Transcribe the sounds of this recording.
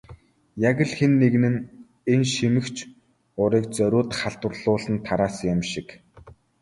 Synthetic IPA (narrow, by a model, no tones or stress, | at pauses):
jaɣə̆ɮxenːeɣnɘ̆n | enʃimɘ̆xt͡ɕʰ | ʊɾiːk̚t͡sœɾʲʊːt̪χaɬt̪wə̆rɮʊːɮə̆nt̪ʰaɾaːsjʊmʃɪk